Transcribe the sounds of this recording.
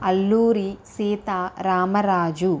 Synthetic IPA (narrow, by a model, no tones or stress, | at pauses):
ɐlːuːɾisiːt̪aːɾaːmɐɾaːd͡ʒu